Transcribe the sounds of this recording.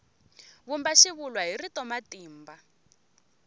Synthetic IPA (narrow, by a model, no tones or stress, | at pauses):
βumbaʃiβulwaɦiritɔmatiːmba